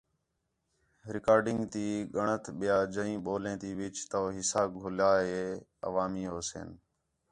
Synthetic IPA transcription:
ɾɪkaːɾɖɪŋɡt̪iːɠəɳət̪ʰɓɪjaːd͡ʒəĩːɓoːlẽːt̪iːʋɪt͡ʃt̪oːɦɪsaːɡʱʊlaːɦeːə̰ʋaːmiːɦoːsḛːn

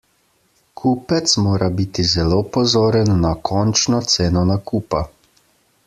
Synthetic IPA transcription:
kʰuːpɛt̪smoːɾʔabit̪izɛloːpɔzoːɾɛnːakʰɔːnt͡ʃnɔt̪seːnɔnakuːpa

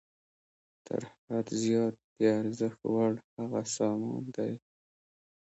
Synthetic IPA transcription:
t̪ʰə̰ɾhad̪zjɑt̪̚d̪əaɾzəxt̪waɽhaɣasɑmɑ̰nd̪aj

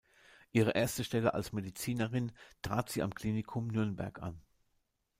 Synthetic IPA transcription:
ʔiːʁ̞əʔeːɐstəʃtɛləʔa̰lsmedit͡siːnəʁɪntʁ̥aːtz̥iːa̰mkl̥iːnɪkʰʊmnʏɐnbɛ̰ɐkʔa̰n

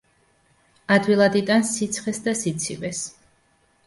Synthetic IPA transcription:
ad̪wilˠad̪it̪ʼansːit̪sʰχɛsd̪asit̪sʰivɛs

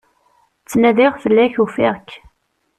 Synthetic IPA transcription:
t͡sːnæðɪʁfəlːæçufɪ̰ʁk

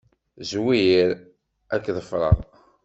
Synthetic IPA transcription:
zwijiɾ | ækːðəfɾˤə̰ʁ

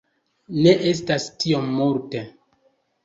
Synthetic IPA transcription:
ne̞ʔe̞s̬tastio̞mːuɾte

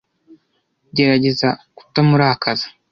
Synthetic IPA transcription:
ɟe̞ɾaɟe̞zaku̥tamuɾakazḁ

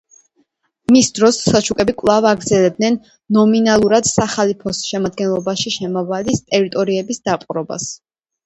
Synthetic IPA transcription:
misd̪ɾɔsat͡ʃʰukʼɛbikʼvlˠavaɡɾd̪zɛlɛb̚d̪nɛnː | ɔminalˠuɾad̪̥saχalipʰɔsʃɛmad̪̚ɡɛnlˠɔbaʃiʃɛmɔvalist̪ʼɛɾit̪ʼɔɾiɛbisd̪apʼuɾɔba̰s

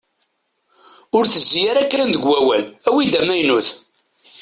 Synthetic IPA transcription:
ʊɾθəzːjæɾækːænd̪əɡwæwælæwid̪æmæjnuθ

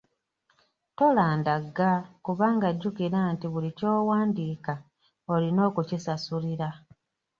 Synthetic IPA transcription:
to̞laːndaɡːakuβaːŋɡaɟːukiɾantiβulico̞ːwaːndiːka | olino̞ːkucisasuliɾa

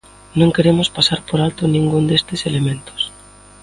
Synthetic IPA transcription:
nõŋkeɾemʊspasaɾpoɾalt̪ʊnĩŋɡund̪est̪ɪselemẽnt̪ʊ̥s

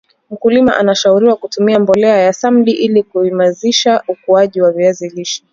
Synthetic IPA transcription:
m̩kulima̰ʔanaʃauɾiwakutumiambɔlɛajasam̩ɗiʔilikuimaziʃaukuaʄiwaviaziliʃi̥

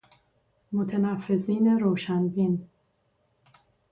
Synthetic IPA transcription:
mot̪ʰenæfːe̞ziːne̞ɾoːʃænbin

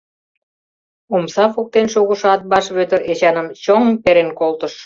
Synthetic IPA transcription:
umsɑfuk̚t̪enʃoɣuʃɑt̪̚bɑʃβøt̪əɾet͡ɕɑnəmt͡ɕoŋpeɾenkolt̪ə̆ʃ

